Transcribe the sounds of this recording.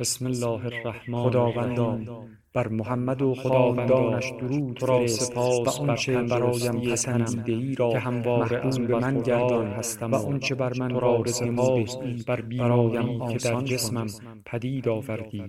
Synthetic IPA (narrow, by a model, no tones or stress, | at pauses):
besmelːɒːheræhmːod̪ɒːvænd̪ɒːn | b̥æɾmoɦæmːæd̪oxodd̪ɒːænd̪ɒːnnæʃd̪oɾuːd̪ʰɾɒːesepʰːæʔɔnnæɾt͡ʃʰebæɾɒːjæmæsʰænd̪eiːɾɒːehæmvɒːmæɾeʔuːlbemænɟæɾd̪ɒːnhæst̪æmvæɔnt͡ʃʰe̞bæɾmænɾɒːɾesemuːeːbæɾbiːæɾɒːjæmːʰed̪æɾnd͡ʒesmæm | pʰæd̪iːd̪ɒːvæɾd̪iː